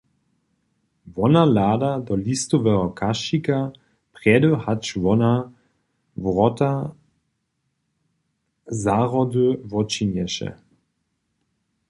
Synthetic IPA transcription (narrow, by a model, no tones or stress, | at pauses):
vɔnalaːdadɔlist̪ɔvɛɦɔkʰaʃika | pʁɛdəhat͡ʃvɔna | vʁɔt̪a | zaʁɔduvɔt͡ʃinjɛʃɛ̰